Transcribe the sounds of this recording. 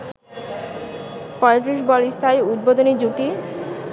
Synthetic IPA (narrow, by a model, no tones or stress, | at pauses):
pɔjet̪ɾiʃ̬bɔlist̪ʰaeud̪̚bod̪oned͡ʑuʈi